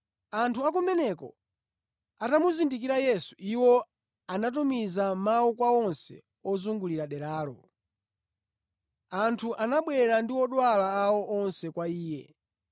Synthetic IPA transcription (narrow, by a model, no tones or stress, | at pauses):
antʰuakumɛnɛkɔ̰ | atamuzindik̬iɾajɛsu̥iwɔ | anat̬umizamaukwaɔnsɛ̰ | ɔzuŋɡuliɾaɗɛɾaːlɔ̰ | antʰuʔanaɓwɛɾandiwɔɗwalaːwɔʔɔnsɛkwaiːjɛ̰